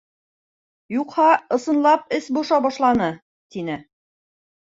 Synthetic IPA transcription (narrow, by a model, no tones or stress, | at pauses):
juqhɑɤ̆sɤ̆nlˠɑp̚ɘsbuʃɑbɒʃlˠɑnɤ | t̪inɘ